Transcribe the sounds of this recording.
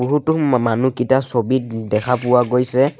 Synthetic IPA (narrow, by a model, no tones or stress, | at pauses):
oɦutumanukitasobitdɛkʰapʊwaɡojsɛ